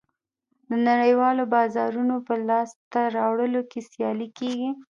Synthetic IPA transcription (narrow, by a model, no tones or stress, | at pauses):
d̪ənaɽəjwɑlobɑzɑɾunopəlɑst̪aɾɑwɽəlokesjɑlikeɡi